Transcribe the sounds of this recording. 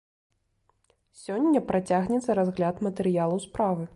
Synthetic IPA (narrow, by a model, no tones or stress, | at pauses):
sʲɔnʲːɐpɾat͡sʲaɣnʲɛt̪sːɐɾazɣlʲat̪mɐt̪ɛɾɨjalˠɐwspɾavɨ